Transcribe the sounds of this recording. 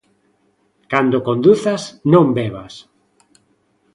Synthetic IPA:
kand̪okond̪uθasnõmbeβa̰s

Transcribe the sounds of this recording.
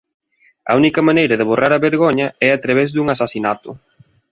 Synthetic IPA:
ɐ̰unikɐmanejɾɐðɪβ̞orʔaɾɐβeɾɣoɲɐɛat̪ɾaβ̞ɛzðuŋasasinat̪ʊ̰

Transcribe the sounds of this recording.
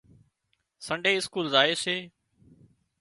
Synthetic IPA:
səɳɖeːɪskuːlzaːeːseː

